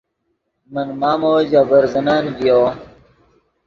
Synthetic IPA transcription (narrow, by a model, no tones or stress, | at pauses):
mənmaːmoːd͡ʑaːbɐɾzɐnaːnbijo